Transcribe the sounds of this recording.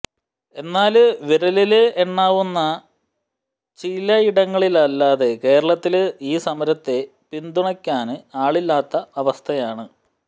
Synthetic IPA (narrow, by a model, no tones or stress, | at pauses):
e̞nːaːlʋiɾɐlilɨeɳːaːʋunːɐ | t͡ɕilːɐiɽɐŋːɐɭilɐlːaːðe̞ke̞ːɾɐɭɐt̪ːilɨiːsɐmɐɾɐt̪ːe̞ | pind̪uɳɐkʲːaːnɨaːɭilːaːt̪ːɐɐʋɐst̪ʰɐjaːɳɨ